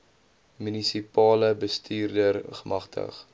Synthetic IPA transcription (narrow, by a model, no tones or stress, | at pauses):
mynisipɑːləbəstʰiːrdərχəmɐχtə̰χ